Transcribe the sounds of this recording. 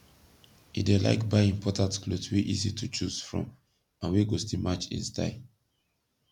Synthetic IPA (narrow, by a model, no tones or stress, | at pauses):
idela̰ɪkbaɪĩmpʰɔtãntklodswiʔizitʰut͡ʃuz̥fɹɔ̰̃m | ãnwiɡostimat͡ʃḭ̃nsta̰ɪ